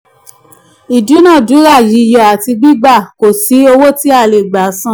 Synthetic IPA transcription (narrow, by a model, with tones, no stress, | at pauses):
i˨du˨˦nã˦˨du˨˦ɾa˦˨ji˨˦˧jɔ˨a˨ti˧ɡ͡bi˦ɡ͡ba˦˨ko˨si˨˦o˧wo˦ti˦a˦˨le˨ɡ͡ba˨˦sã˦˨